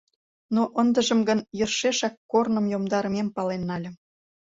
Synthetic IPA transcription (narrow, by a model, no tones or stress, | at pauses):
noʔənd̪ə̆ʒə̆mɡə̆njərʃeʃɑkːornə̆mjomd̪ɑɾə̆mempɑlenːɑlʲə̆